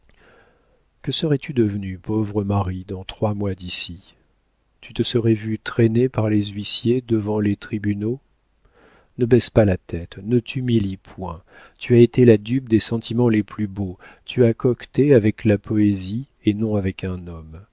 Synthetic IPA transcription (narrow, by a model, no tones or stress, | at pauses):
kəsəʁɛt̪ʰyd̪əvnypovʁəmaʁid̪ɑ̃t̪χwamwad̪isi | t̪yt̪əsəʁɛvyt̪χɛnepaʁlezɥisjed̪əvɑ̃let̪χibyno | nəbɛzpalat̪ɛt̪nət̪ʰymilipʰwɛ̃ | t̪yaet̪elad̪yp̚d̪esɑ̃t̪ʰimɑ̃leplybo | t̪yakɔkt̪eavɛklapʰɔezi | enɔ̃avɛkɛ̃nɔm